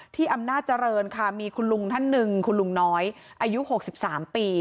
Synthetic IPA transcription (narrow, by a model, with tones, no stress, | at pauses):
t̪ʰiː˥˩ʔa˧mnaː˥˩t̪̚t͡ɕa˧ɾɤː˧nkʰa˥˩miː˧kʰu˧nlu˧ŋt̪ʰa˦˥˩nːɯ˨˧ŋkʰu˧nlu˧ŋnɔː˦˥j | ʔaː˧ju˦˥ho˨˩k̚si˨˩p̚saː˩˦mpiː˧